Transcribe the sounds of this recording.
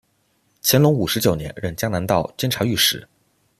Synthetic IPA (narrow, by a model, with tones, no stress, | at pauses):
t͡ɕʰjɛ˧˥nlʊ˧˥ŋu˨˩ʂɻ̩˧˥t͡ɕjo˨˩ʊnjɛ˧˥nɻə˥˩nt͡ɕja˥ŋna˧˥nt̪ɑ˥˧ʊt͡ɕjɛ˥nʈ͡ʂʰa˧˥y˥˩ʂɻ̩˨˩˦